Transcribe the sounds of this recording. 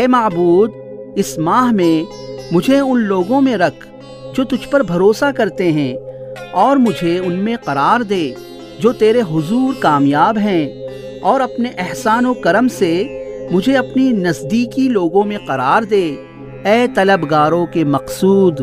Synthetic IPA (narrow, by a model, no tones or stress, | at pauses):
ɛːmɐːbuːd̪ | ɪsmaːɦmẽ | mʊd͡ʒʱeʊnloːɡõmẽɾɐkʰ | d͡ʒoːt̪ʊd͡ʒʱpɐɾbʱɐɾoːsakɐɾt̪eɦɛ̃ːɔːɾmʊd͡ʒʱeʊnmẽqɐɾaːɾd̪eː | d͡ʒoːt̪eːɾeɦʊzuːɾkaːmjaːbɦɛ̃ | ɔːɾɐpneʔɪɦsaːnokɐɾəmsemʊd͡ʒʱeɐpninɐzd̪iːkiloːɡõmẽqɐɾaːɾd̪eː | ɛːt̪ɐləbɡaːɾõkemɐqsuːd̪